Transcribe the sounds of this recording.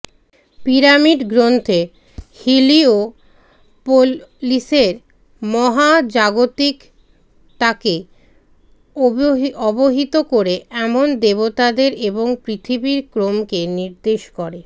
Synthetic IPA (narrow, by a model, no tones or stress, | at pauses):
piɾamiɖɡɾont̪ʰe | hilio | poliseɾ | mɔɦad͡ʑaɡot̪ik | t̪ake | ɔboɦit̪okoɾeɛmond̪eβot̪ad̪eɾeboŋpɾit̪ʰibiɾkɾomkeniɾd̪eʃkɔɾe